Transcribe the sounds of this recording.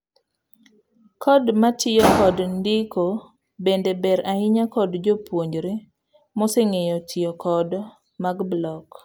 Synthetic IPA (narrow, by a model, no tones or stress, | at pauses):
kʰɔdmatʰɪjɔkɔdndɪko | bendebɛɾaɪɲakɔdd͡ʒopwoɲd͡ʒɾe | mɔsɛŋejɔtʰɪjɔkʰɔd | maɡblɔk